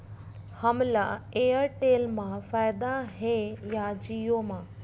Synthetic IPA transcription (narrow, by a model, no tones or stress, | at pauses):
həmlaeːəɾʈeːlmãfaːjɪd̪aɦejad͡ʒijomãː